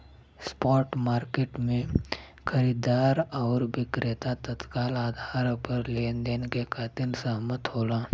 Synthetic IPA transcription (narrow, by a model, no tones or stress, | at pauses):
spɔːʈmaːɾkeːʈmẽ | kʰəɾiːd̪aːɾɔːɾʋɪkɾet̪at̪ət̪kaːlaːd̪ʱaːɾpəɾleːnd̪enkekʰaːt̪ɪɾsaɦmət̪ɦoːlaː